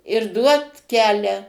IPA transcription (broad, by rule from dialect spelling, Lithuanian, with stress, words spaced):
ɪr ˈduɔt ˈkʲæːlʲæː